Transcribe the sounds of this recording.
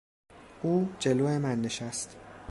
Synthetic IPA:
ʔuːd͡ʒe̞loːemænːeʃæst̪

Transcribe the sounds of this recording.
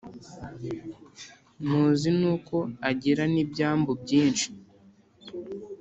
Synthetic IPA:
n̥uːzinuːko̞aɟiɾanibɟaːmbobɟiːnʃi̥

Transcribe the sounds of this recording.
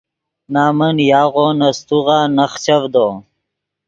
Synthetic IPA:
naːmənjaːʁonɐst̪uʁaːnɐχt͡ɕavd̪o

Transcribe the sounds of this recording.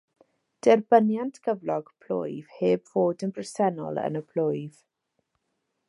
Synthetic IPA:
d̥ɛrbənjantʰɡ̥ʰəvlɔɡ̥pʰl̥o̰ɨv̥heːbv̥oːdənbrɛsɛnɔ̰lˠə̰nəpʰl̥ʊɨv̥

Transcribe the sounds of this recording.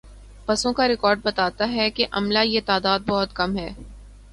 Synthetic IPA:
pɐsõkaɾɪkɔːɾɖ̚bɐt̪aːt̪aɦɛkeʔɐmlajet̪aːd̪aːd̪̚bɔɦʊt̪kɐmɦɛː

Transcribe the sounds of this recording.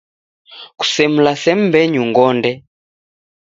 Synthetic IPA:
ku̥sɛm̩lasɛm̩bɛɲuŋɡɔndɛ

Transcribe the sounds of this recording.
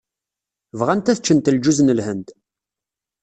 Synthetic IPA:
vʁænt̪æθət͡ʃːənt̪ld͡ʒuznəlhənd̪

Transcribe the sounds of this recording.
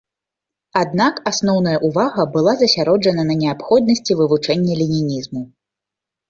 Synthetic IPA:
ad̪̚nakasnɔwnɐjɐʔuvaɣɐbɨlˠazɐsʲaɾɔd͡ʐɐnɐnɐnʲɛapxɔd̪̚nɐsʲt͡sʲivɨvut͡ʂɛnʲːɛlʲinʲinʲizmu

